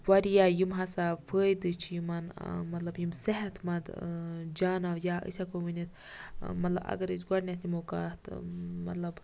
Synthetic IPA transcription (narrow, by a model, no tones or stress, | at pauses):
wɐɾijaːjimɦasafʰəːjd̪ɨt͡ʃʰijimanmɐt̪lɐbjimseɦɐt̪ʰmɐd̪d͡ʒaːnawjaʔə̰t͡ʃʰakominit̪ | mɐt̪lɐ̰bɐ̰ɡɐɾit͡ʃɡɐɽnʲat̪ʰimokat̪mɐt̪lɐb